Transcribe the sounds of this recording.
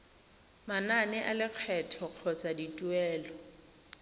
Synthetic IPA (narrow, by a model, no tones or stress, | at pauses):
mananɪʔalɪk͡xʰɛtʰɔq͡χʰɔt͡sʼaditʼuɛːlɔ